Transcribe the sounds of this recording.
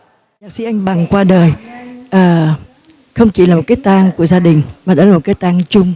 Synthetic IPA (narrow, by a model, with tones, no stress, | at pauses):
ɲa˨˩k̚si˧ʔa˧jŋ̟ɓa˨˩ŋkwaː˧ɗəː˨˩jʔəː˨˩ | xə˧wŋ͡mt͡ɕḭ˧˩laː˨˩mo˨˩kaː˨˦jt̪aː˧ŋku˧˩əzaː˧ɗï˨˩ŋ̟maː˨˩ɗɔ̰˧˨˦laː˨˩mo˨˩t̚kaː˨˦jt̪aː˧ŋt͡ɕʊ˧ŋ͡m